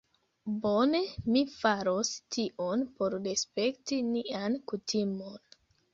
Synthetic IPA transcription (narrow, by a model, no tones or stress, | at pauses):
bo̞ne̞mifaɾostiʔonpo̞ɾɾespe̞ktiniankutʰimo̞n